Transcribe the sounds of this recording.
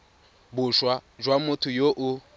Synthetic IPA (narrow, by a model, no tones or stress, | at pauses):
bʊʃwad͡ʒwamʊtʰʊjoʔʊ